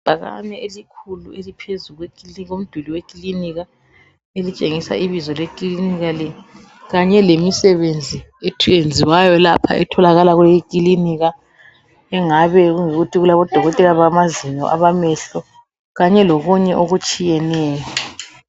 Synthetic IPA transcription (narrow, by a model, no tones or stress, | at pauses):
b̥ʱaɣa̰nɛelikʰuluelipʰezuɣwekʼiiɣom̩d̥ʱuliwekʼiliniɣa | elit͡ʃʼeŋisa̰ʔiβizɔlekʼliliniɣalɛ | ɣaɲɛlemisɛβend͡zʱi | etʰujend͡zʱiwajɔlapʰa̰ʔɛ̰tʰɔlaɣalaɣulejikʼiliniɣa | ɛŋaβɛɣuŋiɣutʰiɣulaβɔd̥ʱɔɣɔtʼɛlaβamaziɲɔ̰ʔa̰βamɛɬɔ | ɣaɲɛloɣuɲɛʔoɣut͡ʃʼijɛnɛːjɔ